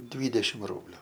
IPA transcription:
ˈdʲʋʲiːdʲɛʃʲɪm ˈruːbʲlʲʊ

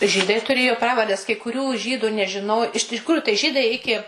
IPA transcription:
ˈʒʲiːdɐɪ tʊˈrʲeːjoː ˈprɑːʋɐrʲdʲɛs kɐɪ kʊˈrʲuː ˈʒʲiːdʊ nʲɛʒʲɪˈnoːj ɪʃ tʲɪˈkruːjʊ tɐɪ ˈʒʲiːdɐɪ ˈɪkʲɪ

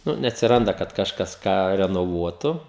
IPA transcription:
ˈnʊ nʲɛɐtʲsʲɪˈrɐndɐ kɐt kɐʃˈkɐs ˈkɑː rʲɛnoːˈʋuɔtʊ

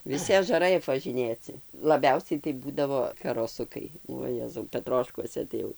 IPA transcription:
ʋʲɪˈsʲɪ ɐʒɐˈrɐɪ ɐpʋɐˈʒʲɪnʲeːt͡sʲɪ lˠɐˈbʲɛʊsʲɛɪ tɐɪ ˈbuːdɐʋoː kɐroːˈsʊkɐɪ uɔ jɛzɐʊ pʲɛˈtroːʃkuɔsʲɛ ˈtɐɪ jɛʊ

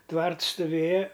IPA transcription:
ˈtʋɐrts stʊˈʋʲeːjɛ

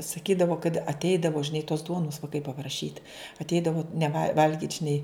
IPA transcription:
sɐˈkʲiːdɐʋoː kɐt ɐtʲˈɛɪdɐʋoː ʒʲɪˈnɐɪ toːs ˈduɔnʊs ʋɐɪˈkɐɪ pɐprɐˈʃʲiːt ɐtʲˈɛɪdɐʋoː nʲɛˈʋɐ ˈʋɐlʲɡʲiːtʲ ʒʲɪˈnɐɪ

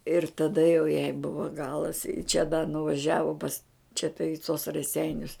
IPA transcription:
ɪr tɐˈdɐ jɛʊ jɛɪ ˈbʊʋoː ˈɡɑːlˠɐs ɪ t͡ʃʲɛ dɐ nʊʋɐˈʒʲæːʋoː pɐs t͡ʃʲɛ tɐ ɪ toːs rɐˈsʲɛɪnʲʊs

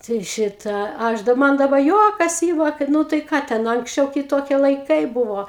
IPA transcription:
tɐɪ ˈʃʲɪtɑː ˈɐʃ dɐp ˈmɐn dɐˈbɐ ˈjuɔkɐs ˈiːmɐ kɐt ˈnʊ tɐɪ ˈkɑː tʲɛn ɐŋksʲˈt͡ʃʲɛʊ kʲɪˈtoːkʲiɛ lˠɐɪˈkɐɪ ˈbʊʋoː

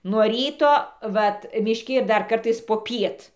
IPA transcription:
nuɔ ˈrʲiːtoː ˈʋɐt mʲɪʃʲˈkʲɪ ɪr ˈdɐr ˈkɐrtɐɪs poːˈpʲiɛt

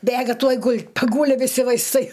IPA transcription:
ˈbʲeːɡɐ ˈtuɔj ˈɡʊlʲ pɐˈɡuːlʲɪ ʋʲɪˈsʲɪ ʋɐɪsˈtɐɪ

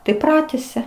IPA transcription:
tɐɪ ˈprɑːtʲɛsʲɛ

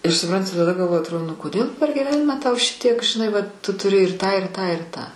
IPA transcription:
ɪr sʊˈprɐnʲtʲɪ tɐˈdɐ ɡɐlˠˈʋoːjɪ ɐtˈroːdoː nʊ koːˈdʲeːlˠ pʲɛr ɡʲɪˈʋʲæːnʲɪmɑː tɐʊ ˈʃʲɪtʲiɛk ʒʲɪˈnɐɪ ˈʋɐt tʊ tʊˈrʲɪ ɪr ˈtɑː ɪr ˈtɑː ɪr ˈtɑː

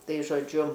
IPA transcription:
ˈtɐɪ ʒoːˈd͡ʒʲʊ

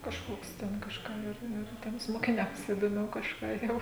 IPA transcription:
kɐʃˈkoːks ˈtʲɛn kɐʃˈkɑː ˈɪr ɪr ˈtʲiɛms moːkʲɪˈnʲɛms ɪdoːˈmʲɛʊ kɐʃˈkɑː jɛʊ

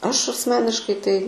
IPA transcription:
ˈɐʃ ɐsʲˈmʲæːnʲɪʃkɐɪ ˈtɐɪ

